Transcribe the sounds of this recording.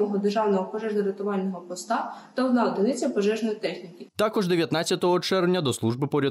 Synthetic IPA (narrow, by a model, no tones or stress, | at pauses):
ɔɦɔd̪erʒɑwnɔɦɔpɔʒɛʒnɐɾet̪ʊʋɑlʲnɔɦɔpɔst̪ɑt̪ɐwd̪nɑɔd̪ɪnɪt͡sʲjɐpɔʒɛʒnɔjit̪ɛxnʲikʲɪt̪ɑkɔʒd̪eʋʲjɐt̪nɑt͡sʲːɐt̪ɔɦɔt͡ʃɛrwnʲɐd̪ɔslˠuʒbɪpɔɾʲɐ